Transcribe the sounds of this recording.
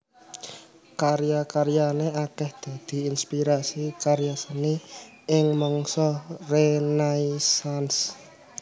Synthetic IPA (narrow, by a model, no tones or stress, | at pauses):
kaɾjakaɾjaneakɛhd̪̥a̤d̪̥i̤inspiɾasikaɾjasəni | ɪŋmɔŋsɔrenaisans